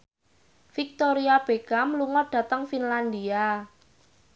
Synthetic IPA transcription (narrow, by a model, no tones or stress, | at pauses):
fik̚t̪oɾiab̥ekamluŋɔd̪̥ä̤t̪əŋfinland̪ia